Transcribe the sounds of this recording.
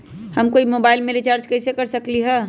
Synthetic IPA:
həmkoːimoːbaːɪlmẽɾit͡ʃaːɾt͡ʃkɐɪsekɐɾsəkliɦɛː

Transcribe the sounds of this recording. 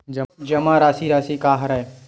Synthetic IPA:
d͡ʒɐmãːɾaːsiɾaːsikaːɦɾae

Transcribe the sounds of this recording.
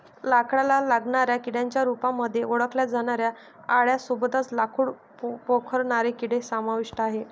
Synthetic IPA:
lakɽalalaɡɳaɾjakiɽjaɲt͡ɕjaɾupamːəd̪ʱːjeoɽəkljad͡zʱaɽ̃aɾja | aɭjasubd̪ʱat͡slakʰuːɽ | pokʰəɾɳaɾekiɽesamaʋiʂʈəaɦe

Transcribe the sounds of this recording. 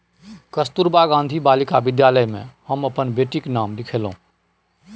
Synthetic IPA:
kəst̪uɾbaɡãːnd̪ʱibaːlikabɪd̪jaləjmḛ̃həməpənbeːʈiknaːmlɪkʰelɦṵ̃

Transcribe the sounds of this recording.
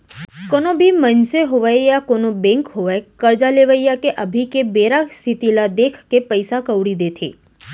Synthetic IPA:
konobʱimənseɦoʋajejakonobɛ̃ŋkɦoʋajkəɾd͡ʒaleʋəjakeʔəbʱikebeɾakst̪ʰit̪ilad̪ekʰkepəjsakəʋɽid̪et̪ʰḛ

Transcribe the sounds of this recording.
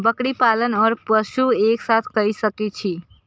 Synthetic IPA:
bəkɽipalənɔːɾpəʃueksat̪ʰkəisəkit͡ʃʰi

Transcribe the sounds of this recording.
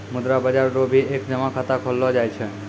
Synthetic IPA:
mud̪ɾabəd͡ʒaɾɾobʱiekd͡ʒəmakʰat̪akʰolːod͡ʒajt͡ʃʰe

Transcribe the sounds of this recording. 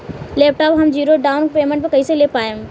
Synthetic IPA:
leːp̚ʈɔːpɦɐmd͡ʑiːɾoɖaːʊnkpeːmẽɳʈpekɐiselepaːjem

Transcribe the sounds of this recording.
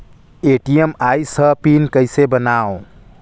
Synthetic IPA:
eʈijemajsəpinkəjsebənao

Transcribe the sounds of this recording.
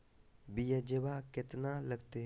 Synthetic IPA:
bijad͡ʒebakɪt̪naləɡt̪e

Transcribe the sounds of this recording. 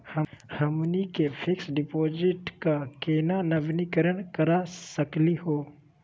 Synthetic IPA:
həhɐmnikepʰɪksɖɪpoːd͡ʒɪʈkakeːnanɐʋnikəɾəɳkɐɾasɐklihoː

